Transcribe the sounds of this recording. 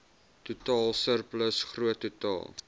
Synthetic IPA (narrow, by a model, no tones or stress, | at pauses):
tutɑːlˠsərpləsχruətːutɑ̰ːlˠ